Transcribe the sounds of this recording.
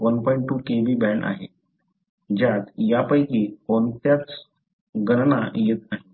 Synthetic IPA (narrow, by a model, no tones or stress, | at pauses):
ʋənpɔiɳʈʈːuːkebiːbɛɳa̰ɦḛ | d͡ʑjat̪japəjkiːkont̪jat͡s | ɡənnajet̪naɦi